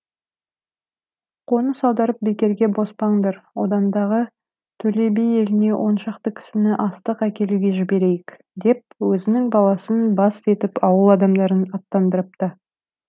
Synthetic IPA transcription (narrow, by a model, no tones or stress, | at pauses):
qʰo̞nəsɑwd̪ɑɾəp̚bekʲe̞ɾɡʲe̞bo̞spɑɴd̪ɑɾwo̞̰d̪ɑnd̪ɑʁə | t̪ʰɵle̞bije̞lɪne̞wʔo̞nʃɑqt̪əkʲʰɪ̥sɪnɪʔɑst̪əqækʲe̞luɡʲe̞ʒɪbe̞ɾe̞jɪk | d̪e̞p̚wɵzɪnɪŋbɑlˠɑsənbɑse̞t̪ɪpɑwəlˠɑd̪ɑmd̪ɑɾənɑt̪ːɑnd̪əɾəp̚t̪ɑ